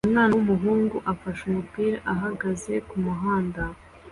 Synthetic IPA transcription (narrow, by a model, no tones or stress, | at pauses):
unaːnawumuɦuːŋɡuʔafaʃumupiːɾaʔaɦaɡaze̞kumuɦaːnda